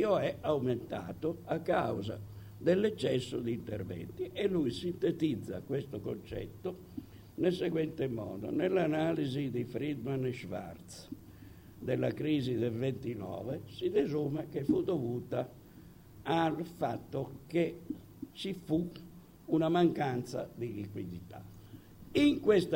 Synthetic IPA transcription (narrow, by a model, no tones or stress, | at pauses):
iːoɛawment̪a̰ːt̪oakːawza̰ | d̪elːɛt͡ʃːɛsːod̪iint̪ɛ̰rvɛ̰nt̪iɛlːujsint̪et̪id̪zːa̰kwest̪oko̰nt͡ʃɛ̰t̪ːo | nelsɛɡwɛnt̪emɔ̰ːd̪o̰nelːanaːlizid̪ifɾid̪manʃva̰rt̪s | d̪elːa̰kɾiːzid̪ɛlvent̪inɔ̰ːvɛsid̪ezuːmɛk̟efud̪ovuːt̪aː | lfat̪ːoke | sifu | unamaŋkant̪sa̰d̪ilikwid̪it̪a̰ | iŋkwest̪